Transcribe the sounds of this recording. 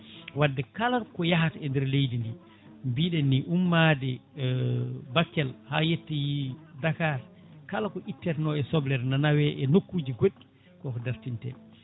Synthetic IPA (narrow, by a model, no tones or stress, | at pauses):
wadːɛkalaɾkɔjaɦataɛndɛɾlejdindi | mbiːɗɛnːiʔumːadɛ | bakːɛlhaːjetːɛjidakaɾ | kalakɔʔitːɛɾnɔɛsɔblɛɾnanawɛʔɛnokːuːd͡ʒiɡoɗːi̥ | kɔkɔdaɾtintɛ̰